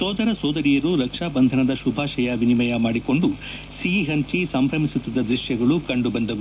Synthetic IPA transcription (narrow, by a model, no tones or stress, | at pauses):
sɔːd̪ɐɾɐsɔːd̪ɐɾijɐɾuɾɐkʂaːbɐnd̪ʱɐnɐd̪ɐʃubʱaːʃɐjaʋinimɐjɐmaːɽiko̞ɳɖu | siɦɐnt͡ʃisɐmpɾɐmisut̪ːid̪ːɐd̪ɾiʃjɐɡɐɭukɐɳɖubɐnd̪ɐʋu